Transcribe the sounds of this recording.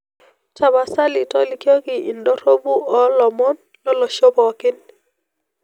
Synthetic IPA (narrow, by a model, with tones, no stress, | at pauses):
t͡ʃa˨βa˨sa˦lɪ˨tɔ˦li˦kjɔ˦ɡɪ˨i˨ndɔ˦ɾo˦bu˦ʔɔ˦lɔ˨mo˦n | lɔ˦lɔ˨ʃo˦bɔ˨kɪ˦n